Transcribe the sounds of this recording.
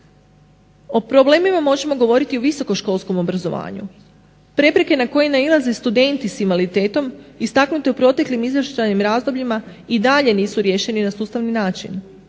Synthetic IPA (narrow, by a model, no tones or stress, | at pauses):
o̞pɾoble̞ːmimamo̞ʒe̞mo̞ɡo̞ʋo̞ɾit̪iuʋiso̞ko̞ʃko̞lˠsko̞mo̞bɾazo̞̰ʋa̰ːɲṵ | pɾe̞pɾe̞ke̞nako̞jenailˠaze̞st̪ud̪e̞nt̪isimʋalit̪e̞ːt̪o̞mist̪aknut̪e̞upɾo̞t̪e̞klimizʋɾʃt͡ʃajnimɾaːzd̪o̞bʎima | id̪aʎe̞niːsuɾje̞ːʃe̞ninasuːst̪aʋninaːt͡ʃḭn